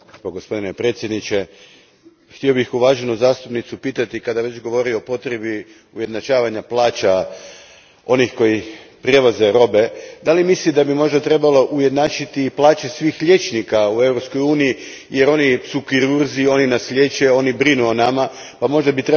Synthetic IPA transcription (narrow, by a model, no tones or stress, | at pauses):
pɡo̞spo̞d̪inepɾe̞t̪sje̞d̪nit͡ɕe̞ | xt̪io̞bixuʋaːʒe̞nuzaːst̪upnit̪supiːt̪at̪ikad̪aʋe̞t͡ɕɡo̞ʋo̞ɾioopo̞t̪ɾe̞bi | uje̞d̪nat͡ʃaːʋaɲaplˠaːt͡ɕa | o̞nixko̞jipɾje̞ʋaze̞ɾo̞be̞d̪alimislid̪abimo̞ʒd̪at̪ɾe̞balo̞ʔuje̞d̪naːt͡ʃit̪iːplˠaːt͡ʃesʋiːxʎe̞t͡ʃnikaue̞vɾopskojuːniji | je̞ɾo̞nisukiɾuɾzio̞ninaslʲje̞t͡ɕeo̞nibɾinuonama | pamo̞ʒd̪abit̪ɾe